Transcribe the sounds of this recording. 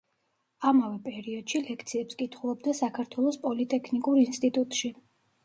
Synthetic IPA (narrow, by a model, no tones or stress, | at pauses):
amavɛpʼɛɾiɔd̪̥ʃilɛkʰt̪sʰiɛpskʼit̪ʰχulˠɔbd̪asakʰaɾt̪ʰwɛlˠɔspʼɔlit̪ʼɛkʰnikʼuɾinst̪ʼit̪ʼut̪ʼʃi